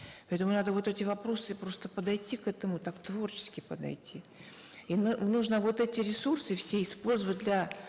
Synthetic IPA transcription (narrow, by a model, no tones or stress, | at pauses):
pɐɛt̪əmʊnad̪əvo̞t̪ɛtʲɪvɐpɾo̞sɨpɾo̞st̪əpəd̪ɐjtʲːikɛt̪əmʊt̪akt̪vo̞rt͡ɕɪ̥skʲɪpəd̪ɐ̰jtʲi | innuʐnəvo̞t̪ɛtʲɪɾʲɪsursɨfsʲeɪspo̞lʲzəvət̚ʲd̪lʲɐ